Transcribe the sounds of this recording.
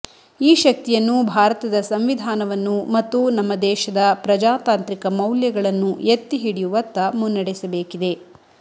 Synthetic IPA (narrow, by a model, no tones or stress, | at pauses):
iːʃɐk̚t̪ijɐnːubʱaːɾɐt̪ɐd̪ɐsɐmʋid̪ʱaːnɐʋɐnːumɐt̪ːunɐmːɐd̪ɛːʃɐd̪ɐpɾɐd͡ʒaːt̪aːnt̪ɾikɐmɐwljɐɡɐɭɐnːuet̪ːiɦiɽijuʋɐt̪ːɐmunːɐɽisɐbeːkid̪e̞